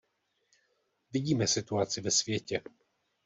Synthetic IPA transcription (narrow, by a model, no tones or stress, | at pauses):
vɪɟiːmɛsɪt̪uat͡sɪvɛsvjɛcɛ